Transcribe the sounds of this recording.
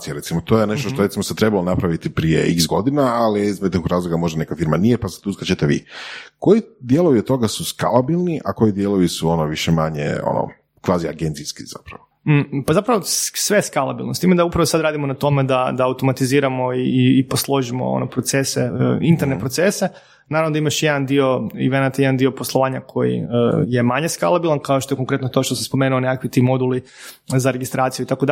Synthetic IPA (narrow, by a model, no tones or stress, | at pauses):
sijaɾe̞t̪simot̪o̞jene̞ʃt̪oʃoɾesimoset̪ɾebalonapɾaʋit̪ipɾiḛḭksɡo̞d̪inaːliizmet̪ikɾaːzloɡamo̞ʒd̪anekafiɾmanijepase̥t̪uskɾat͡ɕet̪eʋḭko̞jid̪jelˠoʋiet̪o̞ɡasuskalˠabilˠniʔako̞jid̪jelˠoʋisuo̞noʋiʃemaɲḛo̰no̰ | kʋaːzia̰ɡent̪siskiz̥a̰pɾaopazapɾaʋosʋeskalˠa̰bilˠnost̪iːmed̪aupɾaʋosad̪ɾaːd̪imonat̪o̞med̪ad̪aːwt̪o̞mat̪iziːɾamo̞iːposlˠo̞ʒimo̞̰o̰nopɾo̞t̪se̞seint̪eɾnepɾo̞t̪se̞se | naɾavnod̪aimaʃjed̪and̪io̞ḭʋenat̪ajed̪and̪io̞po̞slˠoʋaːɲakʰo̞jḭəje̞maɲe̞ska̰lˠabilˠankaoʃt̪oeko̞ŋkɾe̞t̪not̪oʃt̪osamspo̞menuonekakʋit̪iːmo̞d̪ulizaɾeɡist̪ɾʔaːt̪sijuit̪akod̪